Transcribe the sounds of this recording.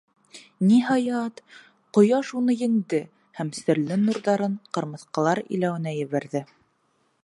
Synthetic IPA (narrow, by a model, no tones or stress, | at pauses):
niɦɑjɑt̪ | qŏjɑʃunɤjɘ̆ŋd̪ɘ | hæmsɘ̆ɾlɘnuɾðɑɾɤɴqɤ̆ɾmɤ̆θqɑ̆lˠɑɾḭ̆læwɘ̆næjɘ̆βæɾðɘ